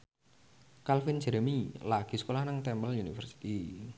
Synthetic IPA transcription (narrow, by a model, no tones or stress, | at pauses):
kalfind͡ʒɛɾmilaɡ̥i̤sə̥kolahnaŋt̪ɛmbəlunifərsi̥t̪i